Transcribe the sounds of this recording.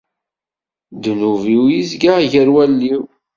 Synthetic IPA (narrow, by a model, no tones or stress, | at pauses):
d̪nuviwjizɡaʝəɾwælːiw